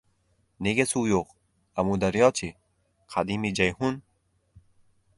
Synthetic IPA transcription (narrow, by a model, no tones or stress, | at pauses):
neɡesujoq | ɐmud̪ɐɾjɑːt͡ʃʰi | qʰad̪iːmid͡ʒajhun